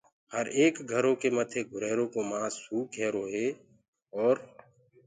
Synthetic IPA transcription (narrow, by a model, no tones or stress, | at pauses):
həɾeːkɡʱəɾõːkeːmət̪ʰeːɡʱʊɾɛːɾõːkoːmãːsuːkɛːɾoːɦeː | ɔːɾ